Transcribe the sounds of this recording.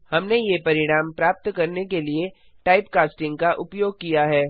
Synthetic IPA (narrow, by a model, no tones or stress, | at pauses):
hɐmnejepɐɾɪɽ̃aːmpɾaːp̚t̪kɐɾnekelie | ʈaːɪpkaːsʈɪ̃ŋɡkaʔʊpjoːɡ̚kijaɦɛː